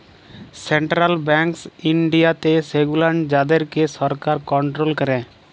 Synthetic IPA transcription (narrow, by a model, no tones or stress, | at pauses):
sɛɳʈɾalbɛ̃ŋksiɳɖijat̪eseɡulaɳʈd͡ʒad̪ɛɾkesɔɾkaɾkɔɳʈɾolkəɾɛ̃